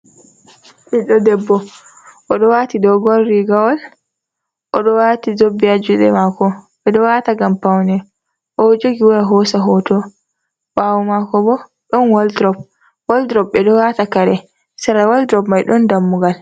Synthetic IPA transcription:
ʔiɗɔdɛbːɔ | ʔɔɗɔwatidɔɡolːiɡawɔl | ʔɔɗɔwaːtizobːiad͡ʒuɗɛ̰makɔɓɛɗɔwataɡampawnɛ | ʔɔd͡ʒoɡiwɔjaɦɔsaɦɔtɔ | wʔawɔmakɔbɔ | ɗɔnwaldɾɔp̚ | waldɾɔp̚bɛɗɔwatakaɾɛ | saɾawaldɾɔpmajɗɔndamːuɡal

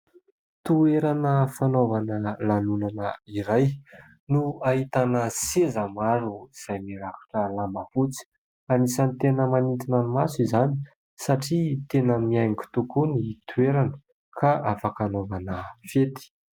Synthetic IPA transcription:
t̪ueɾanəfanovanəlanunanəiɾaj | nuaɦit̪anəsezamaɾuiz̥ajmiɾakḁʈ͡ʂəlambəfut͡si̥ | anisanit̪enəmanint̪inəmasuizani̥ | saʈ͡ʂit̪enəmiajŋku̥t̪ukunit̪ʰueɾanə̥ | kʰaʔafakanovanəfet̪i̥

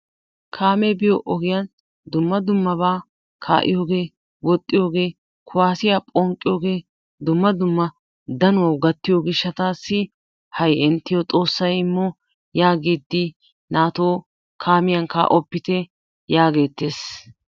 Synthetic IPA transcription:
kʰaːmɛbɪjoʔɔɡɪjan | d̪ʊmːɐd̪ʊmːɐbaː | kʰa̰ːʔɪ̰jo̞ːɡe̞ː | wɔt̪ʼːɪjo̞ːɡe̞ː | kʰʊwaːsɪjaːpʼɔŋkʼːɪjo̞ːɡe̞ː | d̪ʊmːɐd̪ʊmːɐ | d̪ɐnʊwɐwɡɐt̪ːɪjoːɡɪʃːɐt̪aːsːɪ | hɐjɪnt̪ːɪjɔt̪ʼo̞ːsːɐjɪmːɔ | jaːɡeːd̪ːɪ | naːt̪oː | kʰaːmɪjɐŋkɐ̰ʔɔpːɪt̪ɛ | jaːɡe̞ːt̪ːe̞ːs

